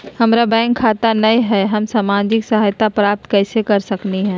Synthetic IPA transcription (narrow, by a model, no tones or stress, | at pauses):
hɐmɾabɛ̃ːŋkʰːaːt̪anɐiɦɛːɦɐmsaːmaːd͡ʒɪksɐɦaːjt̪apɾaːp̚t̪kɛːsekɐɾsɐkniɦɛ̃ː